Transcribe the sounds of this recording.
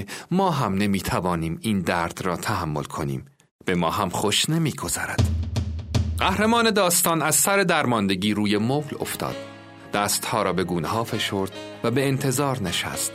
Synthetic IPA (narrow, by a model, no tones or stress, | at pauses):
mɒːɦæmne̞miːt̪ʰævɒːniːmiːnd̪æɾd̪̥ɾɒːt̪ʰæɦæmːo̞lkʰo̞nḭːm | b̥e̞mɒːɦæmχoʃne̞miːɡo̞z̥ɒ̰ɾæd̪̥ | ɢæhɾemɒːne̞d̪ɒːst̪ɒːnæz̥sæɾe̞d̪æɾmɒːnd̪e̞ɟiːɾuːje̞moːɣlo̰ft̪ʰɒ̰ːd̪̥ː | æːst̪hɒːɾɒːbe̞ɡuːneɦɒːfe̞ʃoːɾd̪̥væbeːnt̪ʰe̞zɒːɾneʃæ̰st̪